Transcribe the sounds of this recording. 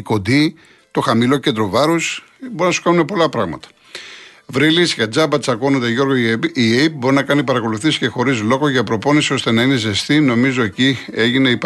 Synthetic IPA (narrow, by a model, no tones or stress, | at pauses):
ko̞d̪i | t̪o̞xɐmilo̞ced̪ɾo̞vɐɾus | bo̞ɾinɐsu̥kɐnune̞po̞lɐpɾɐɣmɐ̰t̪ɐ̥ | vɾilisʝɐd͡zɐbɐt̪t͡sɐkonond̪eʝo̞ɾɣoieip̚bo̞ɾinɐkɐnipɐɾɐko̞luθisi̥ce̞xo̞ɾizlo̞ɣo̞ʝɐpɾo̞po̞nisio̞st̪e̞nɐine̞zest̪ino̞mizo̞e̞cie̞ʝineip